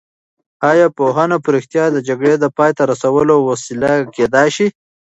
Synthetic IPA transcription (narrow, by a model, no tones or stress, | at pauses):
ɑjɑpoɦɑnapɾɪxt̪jɑd̪əd͡ʒaɡɽed̪əpɑjt̪aɾasawəlowasilaked̪ɑjʃi